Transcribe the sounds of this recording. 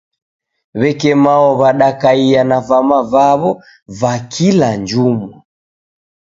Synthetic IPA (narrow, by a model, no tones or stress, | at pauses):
βɛkɛmaɔβaɗakaianavamavaβɔ | vakʰiland͡ʒumɔ